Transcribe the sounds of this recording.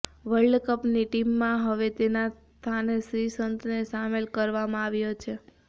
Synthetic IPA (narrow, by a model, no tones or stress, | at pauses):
ʋəɭɖkəpniʈimːãɦəʋet̪enas | t̪ʰanesɾisənt̪nesamelkəɾʋamãaʋjot͡ʃʰe